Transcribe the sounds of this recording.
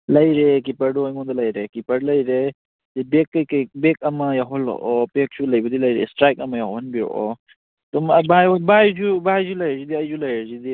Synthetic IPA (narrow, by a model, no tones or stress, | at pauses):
lɐjɾek̬ipɐɾduɔjŋɔnd̪ɔlɐjɾekipɐɽlɐjɾe | zibekːɐjkɐjbek̚ɐmɐjaɦɔlɔ̰ʔɔpek̚sulɐjbɐd̪ilɐjɾḛsʈɾajkɐmɐjaɦɔnbio̰ʔɔ | t̪ombajbajzubajzulɐjɾzid̪iɐjd͡ʒulɐjzid̪i